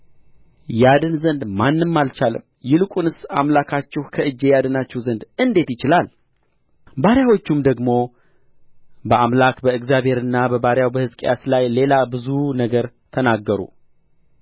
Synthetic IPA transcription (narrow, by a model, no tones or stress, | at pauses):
jad̪ɨnzənd̪manːɨmːalt͡ʃalə̰m | jɪlɨkʷʼunɨsamlakʰat͡ʃːɪhkʰəɨd͡ʒːejad̪ɨnat͡ʃːɛhzənd̪ɨnd̪e̞t̪jɪt͡ʃɪlal | baɾjawo̞t͡ʃːumd̪əɡmo̞ | bəamlakbəɨɡzjaβhe̞ɾɨnːabəbaɾjawbəhɨzkʼjaslajle̞labɨzunəɡəɾ | t̪ʰənaɡːəɾṵ